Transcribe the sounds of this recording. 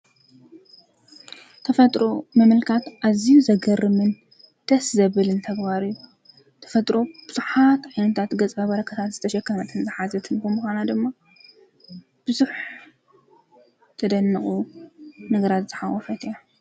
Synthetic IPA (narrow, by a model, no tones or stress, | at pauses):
t̪ʰɐfɐt̪ʼɾo̞mɐmɨlkʰat̪ʔazijuzɐɡɐɾɨmɨn | d̪̥ɐszɐβɨlɨnt̪ʰɐɡbaɾɨjːu | t̪ʰɐ̥fɐt̪ʼɾo̞b̥ɨz̥uħat̪ʕajnɐt̪ʰat̪ɡɐt͡sʼɐβɐɾɐkʰɐt̪ʰat̪zɨt̪ʰɐʃɐkːɐmɐt̪ʰɨnzɨħazɐt̪ʰɨnkomuxʷanad̪ɨmːa | b̥ɨzuħ | t̪ʰɐd̪ɐnːɨχʼu | nɨɡɾat̪z̥ɨħawːɔfɐt̪ʰɨja